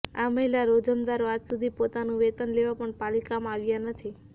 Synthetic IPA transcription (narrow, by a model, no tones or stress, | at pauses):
aməɦilaɾod͡ʒəmd̪aɾoad͡ʒsud̪ʱipot̪anũʋet̪ənleʋapəɳpalikamãaʋjanət̪ʰi